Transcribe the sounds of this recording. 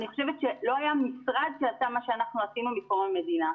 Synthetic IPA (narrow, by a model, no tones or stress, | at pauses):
niχoʃevet̪t͡ʃʃelo̞ajamisʁad̪̚ʃeatamaʃeanaχnuasimamikomame̞dina